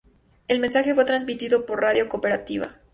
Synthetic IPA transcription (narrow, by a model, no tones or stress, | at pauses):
e̞lmensaxe̞fwe̞t̪ɾanzmit̪iðo̞po̞ɾraðjo̞kope̞ɾat̪iβa̰